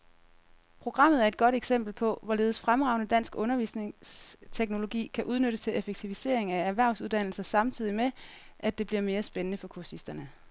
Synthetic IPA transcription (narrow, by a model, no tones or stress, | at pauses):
pʰʁo̝ɡ̥ʁɑ̈m̰ð̞̩ˠæɐe̝d̥̚ɡ̥ɒ̽ɾ̥eɡ̥sem̰b̥l̩pʰɒ̽ʋɒ̽le̝ːðˠsfʁamʁɑ̈ʊnəd̥æn̰sɡ̥ɔ̽nɐʋḭːsne̝ŋst͡sʰeɡ̥no̝lo̝ɡ̥ḭːkʰæʔuð̞ˠnøɾ̥əst͡sʰe̝lefeɡ̥̚t͡sʰiʋise̝̰ɐe̝ŋææɐʋæɐ̰ʊsuðˠd̥æn̰l̩sɐsɑ̈mt͡sʰið̰ˠime | ʔæd̥e̝b̥liɐme̝ːɐsb̥enənəfɒ̽kʰuɐsisd̥ɐnə